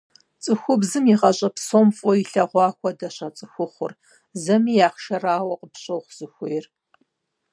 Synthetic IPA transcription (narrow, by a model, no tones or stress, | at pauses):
t͡sʼɨxʷʊbzɨmiʁɐɕʼɐpsomfʼɔiɬɐʁʷɑːxʷɔdɐɕɐt͡sʼɨxʷʊχʷʊr | zɐmiːjaːχʃɐraːwɐqəpɕʼɐwχʷz̥ɨxʷʊjɪr